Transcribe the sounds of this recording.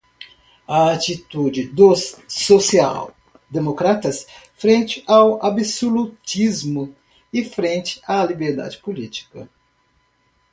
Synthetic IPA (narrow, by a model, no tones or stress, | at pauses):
ɐat͡ʃit̪ud͡ʒɪd̪osːosia̰w | d̪emokɾat̪ɐs | fɾẽnt͡ʃɪʔawabisolut͡ʃizmʊ | ɪfɾẽnt͡ʃɪ̥alibeɾd̪a̰d͡ʒɪpolit͡ʃi̥kɐ